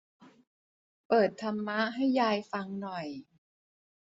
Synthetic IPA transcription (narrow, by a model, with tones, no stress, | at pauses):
pɤː˨˩t̪ʰːa˧mːa˦˥ʔɦa˥˩jːaː˧jfa˧ŋnɔ˨˩j